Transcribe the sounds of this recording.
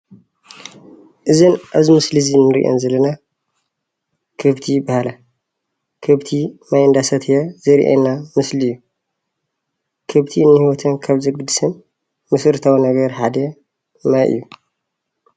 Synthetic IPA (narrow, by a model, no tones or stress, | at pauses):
ʔɨzɨnʔaβzimɨslizinːɨɾḭʔo̰nzɐlɐna | kʰɨβt̪ʰibahala | kʰɨβt̪ʰinajɨnd̪asɐt̪ʰjazɐɾḭʔa̰nːamɨslɨjːu | kʰɨβt̪ʰinːɨhiwɔt̪ʰɨnkʰaβzɨɡɨd̪ɨsɨn | mɨsɨɾt̪ʰawinɐɡɐɾħad̪ɐ | najʔɨ̰jːu